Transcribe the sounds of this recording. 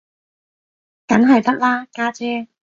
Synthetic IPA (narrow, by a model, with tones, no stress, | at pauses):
kɐ˨˥nɦɐ˨jt̪ɐ˥k̚laː˥kaː˥t͡sɛː˥